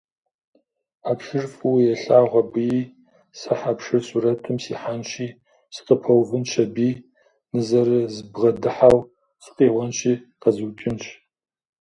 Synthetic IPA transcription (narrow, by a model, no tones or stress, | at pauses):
apʂɨrfʼɨwjɛɬaːʁʷɐbɨjiː | sɨħapʂɨrsurɐtʰɨmsiːħanʃʰiː | sɨ̥qəpʰɐwvɨnt͡ʃʰɐbiː | nɨzɐɾɨzɨbʁɐdɨħaw | sɨ̥qʼiːʁʷɐnt͡ʃʰiː | qɐzɨwt͡ʃʼɪnɕʰʼ